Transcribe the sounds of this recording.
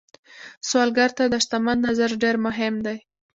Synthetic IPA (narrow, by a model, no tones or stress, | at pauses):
swɑlɡaɾt̪ad̪aʃt̪amanːazaɾɖeɾmʊɦɪmd̪aj